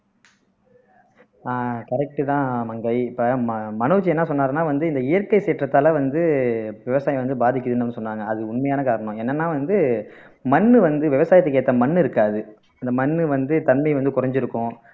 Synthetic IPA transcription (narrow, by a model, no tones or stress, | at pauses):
aːkɐɾɛk̚ʈɯt̪ãːmɐŋɡɐɪɪpːɐmmɐnuːt͡ʃːiɛnːaːsɔnːaːɾɐnaːʋɐnd̪ɯɪnd̪ɐɪjɐɾkɐɪseːʈrɐt̪ːaːlɐʋɐnd̪ɯʋɪʋɐsaːjɐ̃ʋɐnd̪ɯbaːðɪk̬ʲːɐðɯnːɯnːɯsɔnːaːŋɡɐɐðɯʊɳmɐjaːnɐkaːɾɐɳʊ̃ɛnːɐnːaːʋɐnd̪ɯ | mɐnːɯʋɐnd̪ɯʋɪʋɐsaːjɐt̪ːɐkːeːt̪ːɐmɐnːɪɾɯkːaːðɯ | ɐnd̪ɐmɐnːɯʋɐnd̪ɯt̪ɐnmɐɪʋɐnd̪ɯkʊɾɐɲd͡ʒɪɾɯkːʊ̃